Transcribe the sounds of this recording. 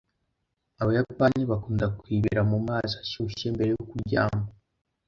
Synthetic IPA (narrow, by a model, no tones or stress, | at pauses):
aβojapaːɲeβakuːndakwiːβḭɾamumaːzaʃuʃe̞mbe̞ɾe̞jokuɾɟa̰ːmba